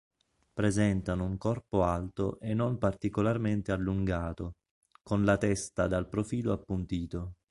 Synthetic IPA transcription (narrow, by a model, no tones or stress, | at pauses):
pɾezɛnt̪anouŋkɔrpoalt̪o̰ʔenːompart̪ikolarment̪ealːuŋɡaːt̪o | konlat̪ɛst̪ad̪alpɾofiːloapːunt̪iːt̪o